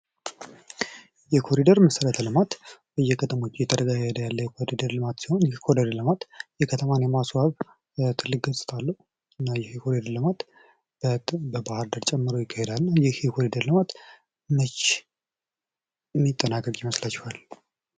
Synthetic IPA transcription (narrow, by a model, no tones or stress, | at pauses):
jɛkʰo̞ɾid̪əɾməsəɾət̪ʰəlɨmat̪bəjːɛkʰət̪ʰəmo̞t͡ʃːɪjɛt̪ʰəd̪əɡajəd̪əjalːəjɛkʰo̞ɾid̪əɾlɨmat̪si̥ho̞njɛkʰodəɾlɨmat̪jɛkʰət̪ʰəmanjɛmaswaβ | t̪ʰɨlːɨk̚ɡəsʼɨ̥t̪ʰalːəhu | ɨnːajɛhkʰo̞ɾid̪əɾlɨmat̪ | bəbahaɾd̪əɾt͡ʃʼɛmːɨɾəwjɪkʰːahɛd̪alnajɛhkʰo̞ɾid̪əɾlɨmat̪ | mət͡ʃː | mːit̪ʼːənakʼəkʼjɛməslat͡ʃːuhal